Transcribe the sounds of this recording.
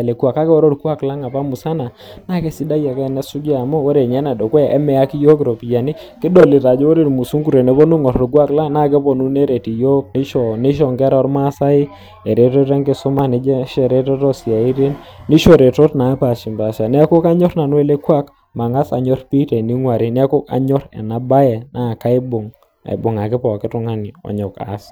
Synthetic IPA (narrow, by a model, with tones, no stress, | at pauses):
lɛ˨kwa˨ka˦kɛ˦ɔ˦ɾɔ˦ɾkwa˦kla˦ŋa˨pa˦mu˨sa˦na˨ | na˦˨kɛ˦si˦da˦ja˨kɛ˦nɛ˦su˦ɡi˦a˨mo˦wɔ˦ɾe˨ɲɛ˦na˨dɔ˨kwɛ˦˨ʔɛ˦mɛ˨a˦ki˦jo˦kɪ˨ɾo˨pi˨ja˨ni˦ | kɪ˦dɔ˨li˨ɾa˨d͡ʒɔ˦wo˦ɾe˨ɾmu˨su˦ku˦ɾɛ˨nɛ˨˦bɔ˦nu˦ŋɔ˨ɾɔ˨ɾɡwa˦kla˦na˦˨k̬ɛ˦bɔ˨nu˦ne˦ɾe˨ti˨jo˦ni˦ʃɔ˨ni˦ʃ̬ɔ˨ŋɡɛ˦ɾɔ˨˦ɾma˦sa˦ɪ˦ | ɛ˨ɾe˦tɔ˦ɾe˦ŋɡɪ˦˨sʊ˦ma˦nɪ˦d͡ʒɛ˦ʃɛ˨ɾe˦tɔ˦tɔ˦si˨a˨i˦ɾe˦n | ni˦ʃo˦ɾe˨to˦tna˨˦pa˨ʃi˨mba˨ʃa˨nɛ˦ko˦ka˦ɲɔ˦rna˨nwɛ˦le˦kwa˦k | ma˨ŋa˦sa̰˨ɲɔ˦rpi˦tɛ˨ni˦ŋwa˨ɾɪ˦nɛ˦ko˦ka̰˦ɲɔ˦ɾɛ̰˨na˨ba˦jɛ˨na˦˨ka˦ɪ˦bʊ˨ŋ | a̰˨ɪ˨bʊ˨ŋa˨kɪ˦pɔ˨kɪ˦tʊ˦ŋa˦nɪ˨ɔ̰˨ɲɔ˨ka̰˨s